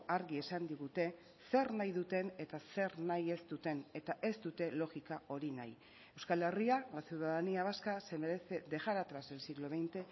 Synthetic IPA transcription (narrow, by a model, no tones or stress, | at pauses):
aɾɣie̞sand̪iɣ̞ut̪e̞ | se̞ɾnajðut̪e̞ne̞t̪ase̞ɾnaje̞st̪ut̪e̞ne̞t̪aʔe̞st̪ut̪e̞lo̞ɣikao̞ɾina̰j | ewskale̞rialasjiwðaðeniaβaskase̞meɾese̞d̪e̞ʝaɾat̪ɾazelsiɣlo̞βe̞jnt̪e̞